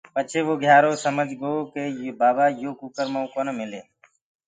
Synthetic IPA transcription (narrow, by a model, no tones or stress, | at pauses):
pət͡ʃʰeːʋoːɡʱjaːɾoːsəməd͡ʒʱɡoːkeːbaːbaːjoːkuːkəɾmãːuːkoːnəmɪleː